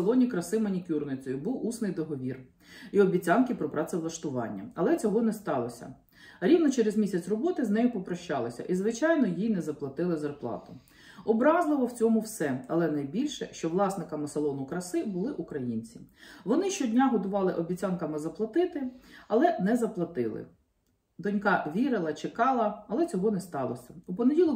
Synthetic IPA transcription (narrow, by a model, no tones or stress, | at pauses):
lˠɔnʲikɾɐsɪmɔnʲikʲurnɪt͡sʲɔjʊbuwusnɪjd̪ɔɦɔʋʲir | iɔbʲit͡sʲɑnkɪpɾɔpɾɑsɛʋlˠɐʃt̪ʊʋɑ̰nʲːɐ̰ɐlˠɛt͡sʲɔɦɔnɛst̪ɑlˠɔsʲɐ̰ | ɾʲiwnɔt͡ʃɛɾezmʲisʲɐt͡sʲrɔbɔt̪ɪznɛjʊpɔpɾɔʃt͡ʃɑlˠɔsʲɐ̰ʔizʋɪt͡ʃɑjnɔjijnɛzɐplˠɐt̪ɪlˠɪzɐrplˠɑ̰t̪ʊ̥ | ɔbɾɑzlˠɪʋɔwt͡sʲɔmʊwsɛɐlˠɛnɐjbʲilʲʃɛ̰ʃt͡ʃɔʋlˠɑsnɪkɐmɐsɐlˠɔnʊkɾɐsɪbʊlˠɪʔukɾɐjinʲt͡sʲiʋɔnɪʃt͡ʃɔdʲnʲaɦɔt̪ʊʋɑlˠɪʔɔbʲit͡sʲankɐmɪzɐplˠɐt̪ɪt̪ɪɐlˠɛnɛzɐplˠɐt̪ɪlˠɪ̰ | d̪ɔnʲkɑʋʲiɾɪlˠɐt͡ʃekɑlˠɐɐlˠɛt͡sʲɔɦɔnɛst̪ɑlˠɔsʲɐupɔnedʲilˠɔ